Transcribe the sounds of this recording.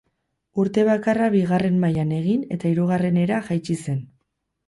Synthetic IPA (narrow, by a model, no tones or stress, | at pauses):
uɾt̪e̞βakaraβiɣare̞mmajane̞ɣ̞ine̞t̪aiɾuɣ̞are̞ne̞ɾaʝajt͡ʃise̞n